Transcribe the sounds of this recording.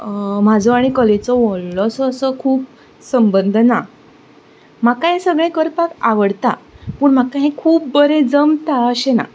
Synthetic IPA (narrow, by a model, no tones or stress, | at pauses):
m̤ad͡zʱɔaɽ̃ikɔlet͡sɔʋɔɭlɔəsəːsəkʰuːp̚ | səmbənd̪ʱna | m̤akaɦẽsəɡɭẽkəɾpakaʋəɽt̪a̰pəːɳm̤akaɦẽkʰuːp̚bəɾẽd͡zəmt̪aəɕena̰